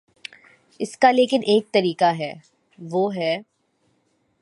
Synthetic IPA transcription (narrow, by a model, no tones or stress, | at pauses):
ɪskaleːkɪnʔeːk̚t̪ɐɾiːkaɦɛː | ʋoːɦɛː